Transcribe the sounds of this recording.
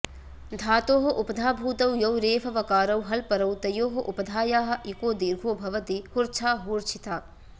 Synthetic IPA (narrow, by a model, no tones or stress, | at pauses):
d̪ʱaːt̪oːɦɐʔupɐd̪ʱaːbʱuːt̪ɐwjɐwɾeːfʰɐʋɐkaːɾɐwɦɐlpɐɾɐwt̪ɐjoːɦɐʔupɐd̪ʱaːjaːɦɐ̆ʔikoːd̪iːɾɡʱoːbʱɐʋɐt̪ihuɾt͡ʃʰaːɦuɾt͡ʃʰit̪ʰaː